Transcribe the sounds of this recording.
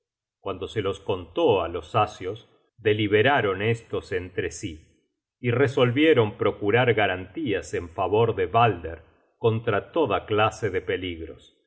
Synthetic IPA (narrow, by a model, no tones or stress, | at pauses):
kwand̪o̞selo̞sko̞nt̪oalosasjo̞s | d̪eliβeɾaɾo̞nest̪o̞sent̪ɾesiː | reso̞lβjeɾo̞mpɾo̞kuɾaɾɣaɾant̪iase̞ɱfaβo̞ɾðeβald̪eɾ | ko̞nt̪ɾat̪o̞ðaklaseðepe̞liɣɾo̰s